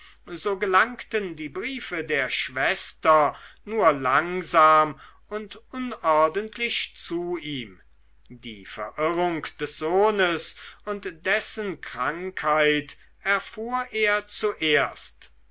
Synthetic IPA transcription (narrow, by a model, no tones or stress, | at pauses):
zoːɡəlaŋktəndiːbʁiːfədeːɐʃv̥ɛstɐnuːɐlaŋzaːm | ʊntʔʊnʔɔɐdəntʰlɪçt͡suiːm | dḭːfɛ̰ɐʔɪʁʊŋkd̥ɛsz̥oːnəsʊntd̥ɛsənkʁ̥aŋkʰhaɪt | ʔɛɐfuːɐʔeːɐt͡suʔeːɐst